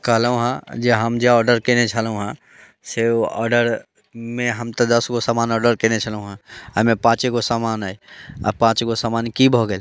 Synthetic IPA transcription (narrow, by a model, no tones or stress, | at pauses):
kəɦlũɦãd͡ʒeɦəmd͡ʒaɔːɖəɾkenet͡ʃʰəlɦũɦã | seɔ̰ːɾɖəɾ | mẽɦəmt̪əd̪əsɡosamaːnɔːɖəɾkẽnet͡ʃʰəlɦũɦãamẽpãːt͡ʃekosamanaea̰pãːt͡ʃɡosamaːnkibʱoɡel